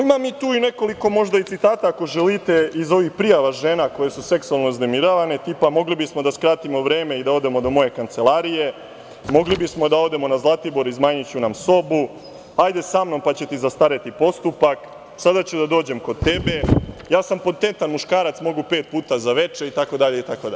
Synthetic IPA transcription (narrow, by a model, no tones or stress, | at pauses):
imamit̪uːine̞ko̞liko̞mo̞ʒd̪ait̪sit̪aːt̪aːko̞ʒelit̪e̞izo̞ʋixpɾijaʋaʒeːnako̞je̞suse̞ksualˠnoizne̞miɾaʋane̞t̪ipamo̞ɡlibismo̞d̪askɾaːt̪imo̞ʋɾe̞ːme̞id̪ao̞d̪e̞mo̞d̪o̞mo̞je̞kant̪se̞lˠaːɾije | mo̞ɡlibismo̞d̪ao̞d̪e̞mo̞nazlˠat̪ibo̞ɾizmaːɲit͡ɕunamso̞bu | ajd̪e̞samno̞mpat͡ɕe̞t̪izast̪aɾet̪ipo̞st̪upak | sad̪at͡ɕud̪ad̪oːd͡ʑe̞mko̞d̪t̪e̞be̞jaːsampot̪e̞nt̪anmuʃkaːɾat̪smo̞ɡupe̞ːt̪̚puːt̪azaʋe̞t͡ʃe̞it̪ako̞d̪aʎe̞it̪akod̪a